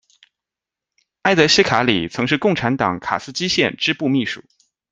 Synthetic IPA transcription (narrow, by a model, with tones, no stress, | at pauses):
a˥ɪt̪ə˧˥ɕi˥kʰa˧˥lḭ˨˩t͡sʰɤ˧˥ŋʂɻ̩˥˧kʊ˥˩ŋʈ͡ʂʰa˧˥nt̪ɑ̰˨˩˦ŋkʰa̰˨˩sɹ̩˥˧t͡ɕi˥ɕjɛ˥˩nʈ͡ʂɻ̩˥pu˥˧mi˥˩ʂu̥̰˨˩˦